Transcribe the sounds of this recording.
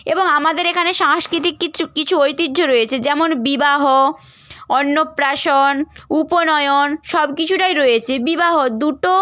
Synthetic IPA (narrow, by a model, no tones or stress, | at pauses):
eboŋamad̪eɾekʰaneʃaŋʃkɾit̪̬ikːikit͡ɕʰuojt̪id̪ʱoɾojet͡ɕʰed͡ʑɛmonbibaɦo | ɔnːopɾaʃonuponɔeonʃɔbkit͡ɕʰuʈajɾojet͡ɕʰebibaɦod̪uʈo